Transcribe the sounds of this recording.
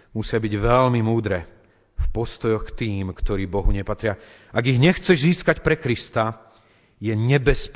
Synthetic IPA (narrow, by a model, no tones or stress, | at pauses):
musɪabiɟʋɛlmimuːd̪ɾɛ | fpɔst̪ɔjɔxkt̪iːmkt̪ɔɾiːbɔɦuɲɛpat̪ɾɪa | aɡiɣɲɛxt͡sɛʒziːskacpɾɛkɾist̪a | jɛɲɛbɛsp